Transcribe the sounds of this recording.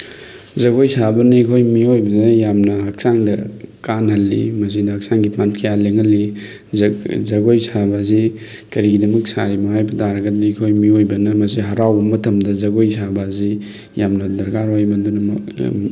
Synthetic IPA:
zɐɡojsabɐnɐikʰojmiojbɐnɐjamnɐːk̚saŋdɐkanɦɐlːḭmɐs̬idɐɐk̚saŋɡipʰankʰɐjaleŋɐlːi | zɐɡojsabɐzi | kɐɾiɡidɐmɐk̚saɾimɐɦajbʰɐtaɾɐɡɐdiikʰojmiojbɐnɐmɐsiɦɐɾawbɐmɐtʰɐmdɐzɐɡojsʰabɐzi | jamnɐdɐɾkaɾwajbɐndunɐm

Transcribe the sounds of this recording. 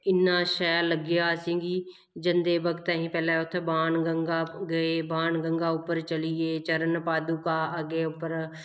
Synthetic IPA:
ɪnːaːʃɛːləɡjaːsĩːɡiː | d͡ʒənd̪eːbəkt̪ɛɦĩːpɛːlãʊt̪ʰbaːnɡəŋɡaːɡəeːbaːnɡəŋɡaːʊpːəɾt͡ʃəlieːt͡ʃəɾənpaːd̪uːkaːəɡeːʊpːəɾ

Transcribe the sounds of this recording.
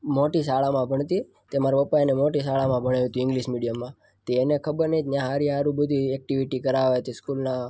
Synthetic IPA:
moʈisaɭamãbʱəɳ̃t̪i | t̪emaɾaʋəpajnemoʈisaɭamãbʱəɽ̃ajũt̪ũɪ̃ŋɡliʃmiɽijəmːã | t̪eːnekʰəbəɾnəit̪njãɦaɾiɦaɾũbəd̪ʱiɛk̚ʈiʋiʈikəɾaʋeət̪iskulna

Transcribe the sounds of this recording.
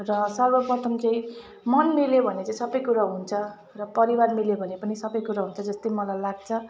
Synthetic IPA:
rʌsʌrbʌpʌt̪ʌnkʌj | mʌnmiljobʱʌnet͡saĩsʌbʌjkuɾaɦunt͡sʰʌ | rʌpʌɾiwarmiljobʱʌnepʌnisʌbʌjkuɾaɦunt͡sʰʌd͡zʌst̪ʌjmʌlajlaɡ̚t͡sʰʌ

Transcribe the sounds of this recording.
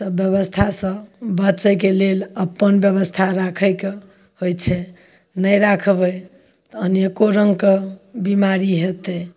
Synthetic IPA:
səbjəβəst̪ʰasə̃bətːt͡ʃəjkeleləpːənbjəbəst̪ʰaɾakʰəjke | hojt͡ʃʰɛ | nəjɾakʰbə | t̪ɔənjekoɾəŋɡkebimaɾiɦet̪ɛ

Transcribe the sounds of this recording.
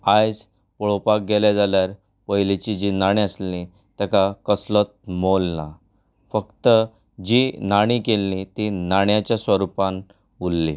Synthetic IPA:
ajd͡z | pɔɭopak̚ɡeljad͡zaljaɾ | pəɦlit͡ɕid͡ʑinaɽ̃ĩəslĩ | t̪akakəslət̪̚molna | fəkt̪ə | d͡ʑinaɽ̃ikelːĩt̪inaɳjat͡ɕjasʋəɾupãn | ulːḭ

